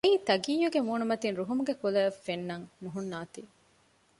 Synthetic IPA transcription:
eiːt̪ɐɡiːjuɡemuːnumɐt̪inɾuɦumuɡekulɐɐfːenːɐŋnuɦunːaːt̪i

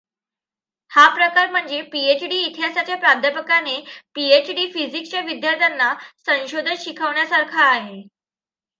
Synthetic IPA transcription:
hapɾəkaɾm̤əɳd͡zepiet͡ɕɖiːt̪ʰijasat͡ɕjapɾab̚d̪ʱəpəkanepiet͡ɕɖiːfizikst͡ɕaʋid̪jaɾt̪ʰjanːasə̃ɕod̪ʱənɕikʰəʋɳjasaɾkʰaːɦe

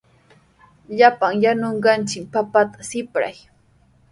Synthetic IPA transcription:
ʎapaŋjanoɴɢɑnt͡ʃɪkpapat̪ḁsɪpɾa̰j

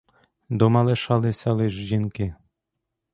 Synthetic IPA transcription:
d̪ɔmɑlˠeʃɑlˠɪsʲɑlˠɪʒʒinkɪ

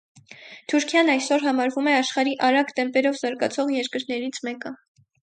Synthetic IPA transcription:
t̪ʰuɾkʰjɑnɑjsɔɾɦɑmɑɾvumɛɑʃχɑɾiʔɑɾɑɡt̪ɛmpɛɾɔvzɑɾɡɑt͡sʰɔʁjɛɾkəɾnɛɾit͡sʰmɛkə

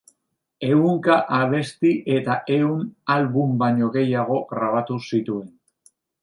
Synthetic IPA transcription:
e̞uŋkaʔaβ̞e̞st̪iʔe̞t̪aʔe̞unalβumbaɲo̞ɣe̞jaɣ̞o̞ɣɾaβ̞at̪usit̪ue̞n

